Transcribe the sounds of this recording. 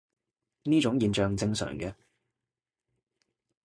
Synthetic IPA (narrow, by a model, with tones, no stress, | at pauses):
niː˥t͡ʃʊ˨˥ŋjiː˨nt͡ʃœː˨ŋt͡sɪ˧ŋsœ̰ː˨˩ŋɡɛ˧